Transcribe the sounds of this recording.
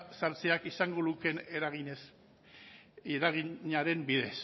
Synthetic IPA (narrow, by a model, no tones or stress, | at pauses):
saɾt͡seakisaŋɡo̞luke̞neɾaɣiɲes | eɾaɣiɲaɾe̞mbiðe̞s